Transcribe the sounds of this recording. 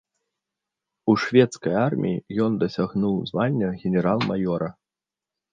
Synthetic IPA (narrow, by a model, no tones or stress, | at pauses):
uʂvʲɛt̪skɐjarmʲḭjḭjɔnd̪ɐsʲaɣnuwzvalʲːɐɣʲɛnʲɛɾalˠmajɔɾɐ